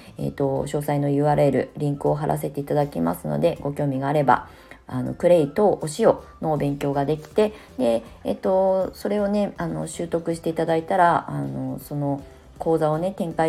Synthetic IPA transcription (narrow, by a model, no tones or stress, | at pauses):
ḛt̪o̞ɕo̞ːsaino̞jɯ̟βaɾe̞ɾɯ̟̰ɾʲĩŋkɯ̟o̞ɦaɾʔa̰s̬e̞t̪e̞it̪ad̪akʲima̰sɨno̞̰d̪e̞ɡo̞kʲo̞ːmʲiɡaːɾe̞ba̰ | ano̞̰kɯ̟ɾe̞it̪o̞ʔoɕio̞no̞bẽ̞ŋkʲo̞ːɡad̪e̞kʲi̥t̪e̞d̪e̞̰ːt̪o̞so̞ɾe̞o̞ne̞ano̞̰ɕɨːt̪o̞kɯɕi̥t̪e̞it̪ad̪ait̪aɾaano̞so̞no̞ | ko̞ːzao̞ne̞t̪ẽ̞ŋka